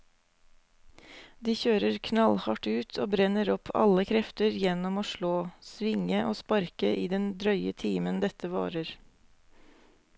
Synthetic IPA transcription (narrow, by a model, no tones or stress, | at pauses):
d̪iːçøːɾəɾkʰnɑlhɑʈʉːt̪ʰoːbɾɛnəɾɔpʰɑ̰ləkʰɾɛft̪əɾjɛnɔmoːʃɭoːsʋɪŋəʔoːspɑɾkəʔiːd̪ɛnd̪ɾœʏət̪ʰiːmənd̪ɛt̪əʋɑ̰ːɾəɾ